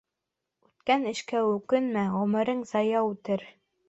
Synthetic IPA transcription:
ʉt̪kænɘ̆ʃkæʉkɘnmæʁɵ̆mɘ̆ɾɤŋzɑjɑʉt̪ɘɾ

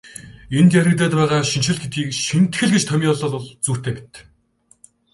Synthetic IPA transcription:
ent̪jæɾʲɪ̆t̪̬æːt̪pæːʁaːʃinʃɪ̆ɮɡet̪̚ɡiːkʃin̥t̪xɘ̆ɮɡet͡ɕt̪ʰœmʲiːɔɮɔːɮɔɮt͡suːr̥t̪ʰeːpi̥t̪

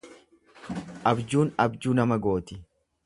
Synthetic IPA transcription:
ʔɐbd͡ʒuːnɐbd͡ʒuːnɐmɐɡo̞ːt̪ɪ

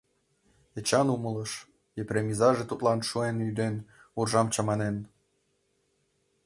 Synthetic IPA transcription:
et͡ɕɑnumɤ̆lɤʃ | eprʲemʲizɑʒet̪ut̪lɑnʃuenyd̪en | urʒɑmt͡ɕɑmɑnen

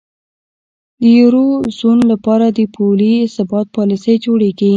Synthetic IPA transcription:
d̪əjuɾozunlapɑɾad̪əpʰolisabɑt̪̚pɑlisəjd͡ʒoɽeɡi

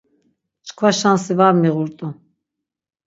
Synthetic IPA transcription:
t͡ʃkʰvaʃansivaɾmiʁuɾt̪ʼu

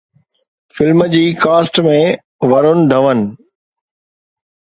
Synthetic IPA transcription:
fɪlmd͡ʑiːkaːsʈmẽ | ʋɐɾʊnɪ̆d̪ʱɐʋənɪ̆

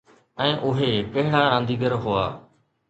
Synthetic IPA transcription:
ɛ̃ːʔʊɦepɐɦɪɽaːɾãːnd̪iːɡəɾɦʊa̰ː

